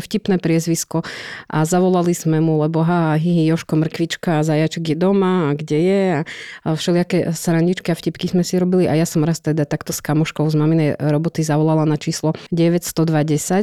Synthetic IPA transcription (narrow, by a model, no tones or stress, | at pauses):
fcipnɛpɾɪɛzʋiskɔʔazaʋɔlaliz̥mɛmulɛbɔɦaɦiɦijɔʃkɔmr̩kʋit͡ʃkaːzajat͡ʃɛɡjɛd̪ɔmaːɡɟɛjɛafʃɛlɪakɛsɾaɲɟit͡ʃkiafcipkizmɛsiɾɔbiliʔajasɔmɾast̪ɛd̪at̪akt̪ɔskamɔʃkɔʊzmaminɛjɾɔbɔt̪izaʋɔlalanat͡ʃiːslɔɟɛʋɛcst̪ɔd̪ʋaɟɛsac